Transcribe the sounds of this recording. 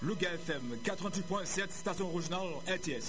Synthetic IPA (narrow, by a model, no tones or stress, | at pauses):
loɡaɛfɛmkat̪χəvɛ̃t̪̬it̪pwɛ̃sɛt̪st̪asjɔ̃oʁiʒonal | ɛʁt̪eɛs